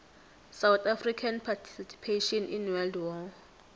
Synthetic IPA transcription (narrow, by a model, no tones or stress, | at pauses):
sawt̪afrikʰanpʰatʰi̥sisi̥pʰeʃɔninwɛldwɔ